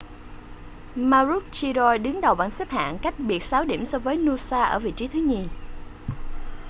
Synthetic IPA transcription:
maː˧ɾu˦˥t̚t͡ɕi˧zɔ˧jɗɨ˨˦ŋɗə˨˩wɓaː˧˩nsə˦˥p̚ha̰ː˧˨nka˦˥jk̟̚ɓi˨˩ət̚saː˨˦wɗḭ˧˩əmsɔ˧vəː˨˦jnu˧saː˧ʔəː˧˩vḭ˧˨t͡ɕi˨˦t̪ʰɨ˨˦ɲi˨˩

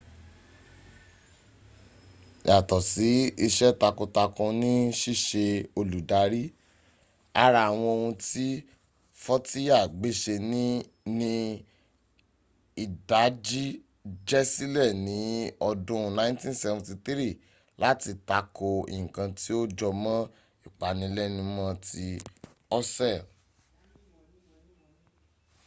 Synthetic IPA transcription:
ja˨tɔ˨si˨˦i˧ʃɛ˦ta˧ko˧ta˧kɔ̃˧nĩ˦ʃi˦˨ʃe˧o˧lu˨da˨˦ɾi˦ | a˧ɾa˨a˨w̃ɔ̃˧o˧hũ˧ti˦ | fɔ˦ti˦a˦˨ɡ͡be˨˦ʃe˧nĩ˦ | nĩ˦ | i˦˨da˨˦d͡ʒi˦ | d͡ʒɛ˦si˦lɛ˦˨nĩ˨˦ɔ˧dũ˦˧nã˦tĩ˦n˦sɛ˧˨vɔ̃˨ti˧t̪i˦ɾi˦˨ | la˨˦ti˧˨ta˧˦ko˧ḭ̃˨kã˧ti˦o˦d͡ʒɔ˧mɔ̃˦ | i˦˨k͡pa˨nĩ˧˦lɛ˦nĩ˧˦mã˧ti˧ | ɔ˦sɛ˦˨

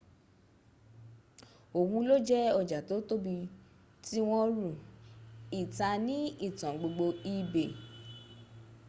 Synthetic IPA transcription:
o˨hũ˧lo˦d͡ʒɛ˦ɔ˧˨d͡ʒa˨to˨˦to˦bi˧ | ti˦w̃ɔ̃˧ɾũ˨ | i˨ta˧nĩ˦i˦˨tã˨ɡ͡bo˧ɡ͡bo˧i˧be˨

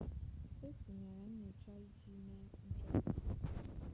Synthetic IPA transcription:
e˦ti˨ɲe˨ɾa˨n̩˦ne˨t͡ʃa˦i˦hi˦ne˦n̩˦t͡ʃɔ˦˨

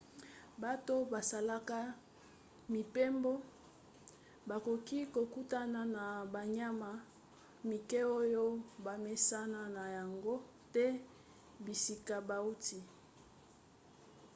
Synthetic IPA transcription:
ba˦to˦ba˨sa˨la˦ka˦ | mi˨pe˦mbo˦ | ba˨ko˨ki˦ko˨ku˦ta˦na˨na˨ba˨ɲa˦ma˨ | mi˨ke˦o˦jo˦ba˨me˦sa˦na˦na˨ja˨ŋɡo˦ | tɛ˦ | bi˨si˨ka˨ba˨u˦ti˨

